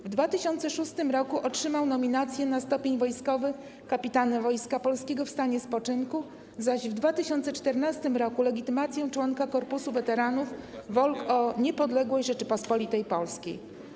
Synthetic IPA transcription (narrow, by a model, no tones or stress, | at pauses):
vd̪vat̪ɘɕɔnt̪sɛʂust̪ɘmɾɔkuʔɔtʂɘmawnɔmʲinat̪sʲjɛnast̪ɔpʲeɲvɔjskɔvɘ | kapʲit̪anɛvɔjskapɔlskʲɛɡɔfst̪aɲɛspɔt͡ʂɘnku | zaʑvd̪vat̪ɘɕɔnt̪sɛt͡ʂt̪ɛɾnast̪ɘmɾɔkulɛɡʲit̪ɘmat̪sʲjɛ̃t͡ʂwɔŋkakɔɾpusuvɛt̪ɛɾanufvɔlkɔɲɛpɔd̪lɛɡwɛjʐɛt͡ʂɘpɔspɔlʲit̪ɛjpɔlskʲḛj